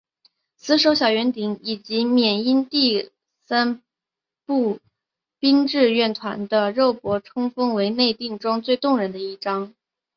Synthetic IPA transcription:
sɹ̩˧˥ʂ̬o˧˥ʊɕ̬jɑ˨˩ʊɥɛ˧˥nt̪i˧˥ŋi˨˩t͡ɕi˧˥mjɛ˨˩ni˥nt̪i˥˩ | sa˥n | pu˥˩ | pi˥ŋʈ͡ʂɻ̩˥˧ɥɛ˥˩nt̪ʰwa̰˧˥nd̪ə˧ɻo˥˩ʊpwɔ˧˥ʈ͡ʂʰʊ˥ŋfɤ˥ŋwe˧˥ɪne˥˧ɪt̪i˥˩ŋʈ͡ʂwɑ˥ŋt͡swe˥˧ɪt̪ʊ˥˩ŋɻə˧˥nd̪ə˧i˥˩ʈ͡ʂɑ˥ŋ

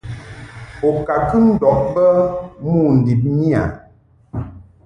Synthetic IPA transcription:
o˨ka˨kə˦n̩˦dɔ˨ʔ̚bə˦mu˦˨n̩˨di˨p̚ni˦a̰˨

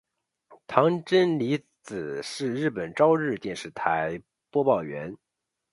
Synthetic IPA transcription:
t̪ʰɑ˧˥ŋʈ͡ʂə˥nli˧˥ | t͡sɹ̩˨˩ʂɻ̩˥˧ɻɻ̩˥˩pə˨˩nʈ͡ʂɑ˥ʊɻɻ̩˥˧t̪jɛ˥˧nʂɻ̩˥˩t̪ʰa˧˥ɪ | pwɔ˥pɑ˥˩ʊɥɛ˧˥n

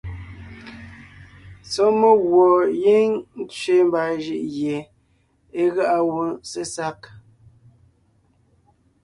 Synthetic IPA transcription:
sɔ˦mə˦ɣwɔ˨je˦ŋn̩˦t͡sɥe˦m˦ba˨ʒi˦ʔɣje˨ | e˦ɣa˦ʔa˦wu˦se˦sa˦k

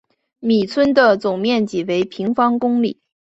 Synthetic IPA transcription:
mi˨˩t͡sʰwə˥nd̪ə˨t͡sʊ˨˩ŋmjɛ˥˩nt͡ɕi˨˩we˧˥ɪpʰi˧˥ŋfɑ˥ŋkʊ˥ŋlḭ˨˩˦

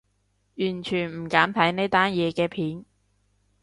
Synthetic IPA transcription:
jyː˨˩nt͡ʃʰyː˨˩nm̩˨˩kaː˨˥mt̪ʰɐ˨˥jne˥t̪aː˥njɛː˨˧kɛː˧pʰiː˨˥n

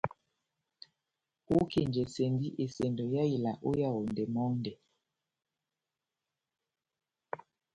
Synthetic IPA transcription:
wo˦ke˨nd͡ʒɛ˨sɛ˨ndi˦ʔe˨sɛ˨ndɔ˨ja˦ji˨la˨ʔo˦ja˦˨wo˨ndɛ˨mɔ˦ŋndɛ˨

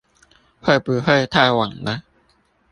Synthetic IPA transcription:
hɤ˥˩jpɯː˧hɤ˥˩jt̪ʰaː˥˩wa˨˩˦ŋna˦˥

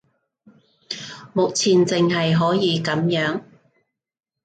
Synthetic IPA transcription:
mʊ˨k̚t͡sʰiː˨nt͡sɪ˨ŋɦɐ˨jɦɔː˨˥jiː˨˧kɐ˨˥mjœː˨˥ŋ

